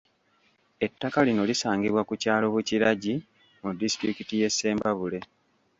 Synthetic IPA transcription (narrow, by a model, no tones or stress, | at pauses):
e̞tːakalino̞lisaːŋɡiβwakucaːlo̞βuciɾaɟi | mudisi̥tɾikitije̞sːe̞ːmbaβule̞